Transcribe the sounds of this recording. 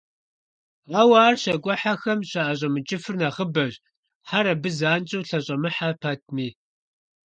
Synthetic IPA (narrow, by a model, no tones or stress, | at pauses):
ɐwaːrɕɐɡʷʼɔħaxɐmɕaʔaɕʼɐmɨt͡ʃʼɪfɨrnɐʁəbɐʑ | ħaɾɐbɨzaːnt͡ʃʼuwɬɐɕʼɐmɨħapʰatʰmiː